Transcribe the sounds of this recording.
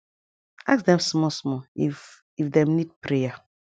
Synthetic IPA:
aksdɛ̃msmɔsmɔif | ifdɛ̃mnid̚pɾeja

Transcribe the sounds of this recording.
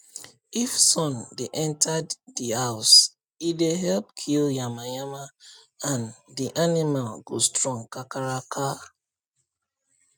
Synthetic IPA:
ifsɔ̃ndeʔɛ̃ntʰaddihaʊs | ideɦɛlp̚kʰiljamajama | ãndiʔanimalɡostɹɔ̃ŋkakaɹakʰa

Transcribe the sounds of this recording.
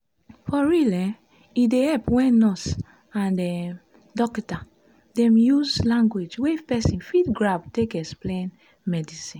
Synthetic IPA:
fɔɹilɛ | idehɛpwɛ̃nɔs | ãndɛ | dɔkta | dɛ̃mjuzlãŋɡwed͡ʒwefpɛsĩnfidɡɹabtekɛksplẽn | mɛdisĩn

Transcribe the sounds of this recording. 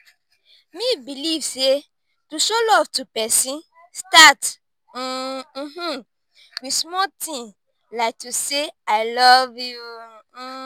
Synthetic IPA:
mibilivse | tuʃolɔvtupɛsĩn | stat̩ | ɦ̩ | wismɔtĩŋ | laɪk̚tuseaɪlɔvju

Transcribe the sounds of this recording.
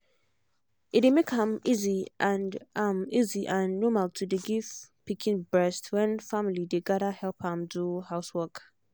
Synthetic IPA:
ɪdemekhãmiziʔãnãmiziʔãnːɔmaltʰudeɡiv̥pikʰɪ̃nbɹɛstʰwɛ̃nfamilideɡaɾahɛlphãmduhaʊswɔk

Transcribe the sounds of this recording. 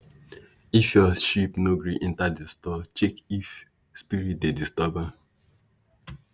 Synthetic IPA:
ifjɔʃipnoɡɹiʔĩntadistɔt͡ʃekif | spiɹit̚dedistaba

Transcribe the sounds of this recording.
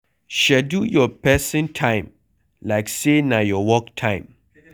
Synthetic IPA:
ʃɛdujɔpʰɛsə̃ntʰãɪ̃m | laɪksenajɔwɔk̚tʰãɪ̃m

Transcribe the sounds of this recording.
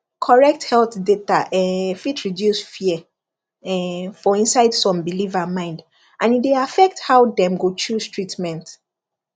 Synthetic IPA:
kʰɔɹɛk̚thɛlθdetaʔɛfitʰɹidjusfiɛ | ɛfɔĩnsaɪdsɔ̃mbilivamãɪ̃nd | ʔãnideafɛk̚thaʊdɛ̃mɡot͡ʃuztɹitmɛ̃nt

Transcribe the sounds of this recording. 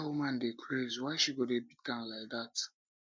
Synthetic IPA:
wumãndekʰɹezwaɪʃiɡodebitɡãnlaɪk̚dat

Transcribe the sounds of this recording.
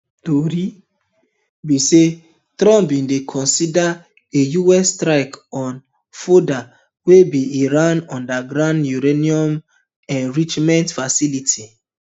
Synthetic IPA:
toɾi | bise | tɾɔ̃mpĩndekʰɔ̃nsida | ejuɛstɾaɪkɔ̃n | foda | webiiɾãnɔ̃ndaɡɾãndjuɾeniɔ̃m | ɛ̃nɾit͡ʃmɛ̃ntfasilitʰi

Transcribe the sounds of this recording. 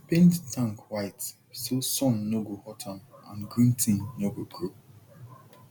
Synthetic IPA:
pẽnttʰãŋkwaɪt | sosɔ̃nːoɡohɔtʰãnãnɡɹĩntʰĩnːoɡoɡup

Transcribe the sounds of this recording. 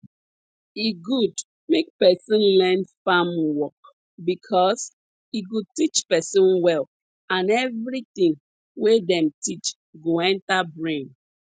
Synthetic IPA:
iɡud | mek̚pɛsɔ̃nlɛ̃nfamwɔk | bikʰɔs | iɡud̚tit͡ʃpɛsɔ̃nwɛl | ãnɛvɾit̪ĩŋ | wedɛ̃mtit͡ʃ | ɡoɛ̃ntabɹẽn

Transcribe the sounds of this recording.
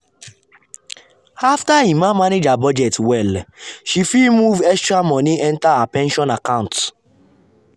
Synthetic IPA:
aftaĩmãmaned͡ʒabɔd͡ʒɛtwɛlʃifimuvɛstɹamɔ̃nĩɛ̃ntaapɛ̃nʃɔ̃nakãʊ̃nt

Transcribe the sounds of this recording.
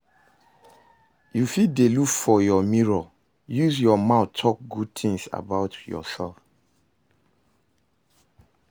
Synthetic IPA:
jufidelukfɔjɔmiɹɔ | juzjɔmaʊtʰːɔk̚ɡud̚t̪ʰĩŋsa̰baʊtjɔ̰sɛlf

